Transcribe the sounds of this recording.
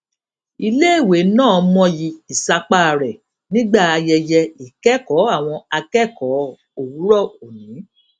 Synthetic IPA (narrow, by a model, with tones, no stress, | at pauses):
i˧le˦e˦˨we˨˦nãː˦˨mɔ̃˧ji˧i˨sa˧k͡pa˦˨ɾɛ˨ | nĩ˦ɡ͡ba˦˨a˧jɛ˧jɛ˧i˨kɛ˦˨kɔ˨˦a˦˨w̃ɔ̃˧a˧kɛ˦˨kɔ˨˦ | o˨wu˨˦ɾɔ˦˨o˨nĩ˨˦